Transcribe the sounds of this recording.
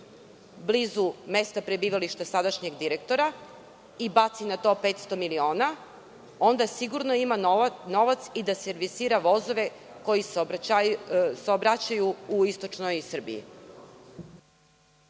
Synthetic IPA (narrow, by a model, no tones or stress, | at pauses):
blizume̞st̪apɾe̞biːʋaliʃt̪asad̪aʃɲe̞ɡd̪iɾekt̪o̞ɾa | ibat̪sinat̪o̞ːpeːt̪st̪o̞milio̞ːna | o̞nd̪asiɡuɾno̞imano̞ʋat̪sid̪aseɾʋisiːɾaʋo̞zo̞ʋe̞ | ko̞jis | sobɾat͡ɕajuuist̪o̞t͡ʃnojisr̩bḭḭ